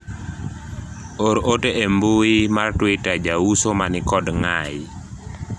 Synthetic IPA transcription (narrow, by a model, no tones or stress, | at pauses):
oɾoteʔembuimartwitad͡ʒawusomanɪkɔdŋa̰j